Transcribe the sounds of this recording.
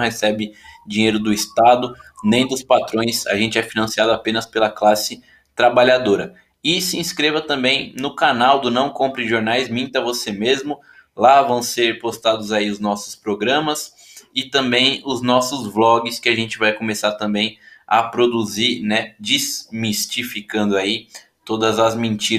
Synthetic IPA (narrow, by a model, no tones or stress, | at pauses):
w̃hesɛbɪd͡ʒĩɲejɾʊd̪ʊist̪ad̪ʊnẽj̃d̪ʊspat̪ɾõj̃sa̰ʒẽnt͡ʃɪɛfinɐ̃siad̪ʊapẽnɐspelɐklasɪ | t̪ɾabaʎad̪oɾɐ | ɪsɪĩskɾevɐt̪ɐ̃mbẽj̃nʊkanawd̪ʊnɐ̃w̃kõpɾɪʒoɾnajzmĩnt̪ɐvosemezmʊ | lavɐ̃w̃seɾpost̪ad̪ʊzaiʊznɔsʊ̥spɾoɡɾɐ̃mɐs | ɪt̪ɐ̃mbẽj̃ʊznɔsʊzblɔɡɪskɪaʒẽnt͡ʃɪvajkomesaɾt̪ɐ̃mbẽj̃ɐ̰pɾod̪uziɾnɛd͡ʒizmist͡ʃifikɐ̃nd̪ʊai | t̪od̪ɐzɐzmẽnt͡ʃi